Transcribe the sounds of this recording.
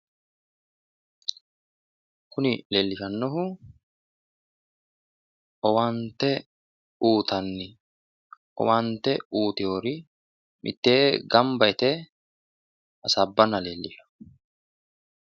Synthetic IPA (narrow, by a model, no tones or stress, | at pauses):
kʊnɪleːlːɪʃɐnːɔɦʊ | ʔɔwɐnt̪ɛ | uːt̪ɐnːɪ | ʔɔ̰wɐnt̪ɛuːt̪ɪjoːɾɪ | mʔɪ̰t̪ːeːɡɐmbɐɪt̪ɛ | ʔɐsɐbːɐnɐleːlːɪʃɐ̥